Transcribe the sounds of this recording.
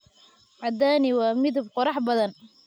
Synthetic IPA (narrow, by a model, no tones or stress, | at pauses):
ʕɑd̪aːnɪwɑːmɪðʊbqɔɾɑħbɐðɐn